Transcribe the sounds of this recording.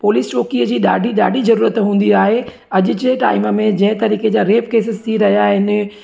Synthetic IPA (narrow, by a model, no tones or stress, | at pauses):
poːliːst͡ɕoːkiːəd͡ʑiːɗa̰ːɖʱiɗa̰ːɖʱizɐɾuːɾət̪ɦũːnd̪iaːɦe | ɐʄʊ̆d͡ʑeʈa̰ːɪməmẽd͡ʑɐ̃ɦɪ̃t̪ɐɾiːked͡ʑaːɾeːpkeːsɪst̪ʰiɾɐɦijaɦɪnɪ